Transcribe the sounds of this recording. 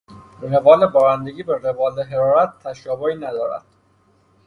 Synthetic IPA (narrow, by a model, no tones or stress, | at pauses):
revɒːlebɒːɾænd̪e̞ɡiːbeɾevɒːleɦeɾɒːɾæt̪ʰːæʃɒːboiːnæd̪ɒːɾæ̰d̪̥̚